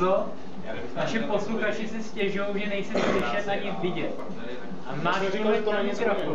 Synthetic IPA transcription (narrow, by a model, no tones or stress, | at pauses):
o | naʃɪpo̞sluxat͡ʃɪsɪscɛʒʊjowʒɛnɛjsɛmslɪʃɛt̪ʔaɲɪvɪɟɛt̪ | ʔamaːdt̪kolɪknaɲɛsɪɾoku